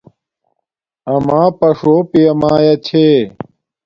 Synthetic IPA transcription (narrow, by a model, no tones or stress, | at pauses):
ɐmãːpɐʂoːpijɐmaːjɐt͡ɕʰeː